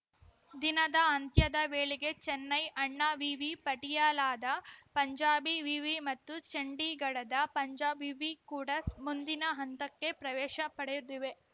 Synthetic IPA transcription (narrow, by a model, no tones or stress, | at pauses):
d̪inɐd̪ɐɐnt̪jɐd̪ɐʋeːɭiɡe̞t͡ʃɛnːɐjʔɐɳːɐʋiʋipɐʈijaːlaːd̪ɐpɐɲd͡ʒaːbiʋiʋimɐt̪ːut͡ʃɐɳɖiɡɐɽɐd̪ɐpɐɲd͡ʒaːbiʋikuːɽɐsmund̪inɐɦɐnt̪ɐkːe̞pɾɐʋɛːʃɐpɐɽejud̪iʋe̞